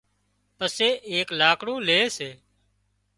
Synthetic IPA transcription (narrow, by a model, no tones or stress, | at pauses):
pəseːʔeːklaːkɽũːleːseː